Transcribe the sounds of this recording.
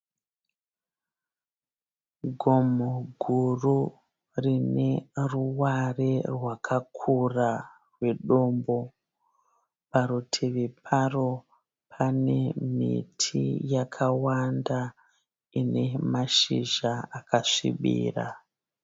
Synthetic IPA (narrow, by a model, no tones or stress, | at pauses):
ɡʱomoɡʱuru | rine̞ruwarerwakʰakʰura | rwe̞ɗo̞mbo̞ | paɾutʰeʋepʰaro̞ | pʰane̞mḭtʰḭjakʰawanda | ine̞maʃiʒaakʰaʂḭɓḭːra̰